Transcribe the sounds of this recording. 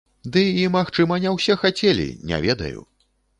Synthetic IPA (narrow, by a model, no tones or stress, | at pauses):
d̪ɨimaxt͡ʂɨmɐnʲɛwsʲɛxat͡sʲelʲḭnʲɛ̰vʲɛd̪ɐ̰jṵ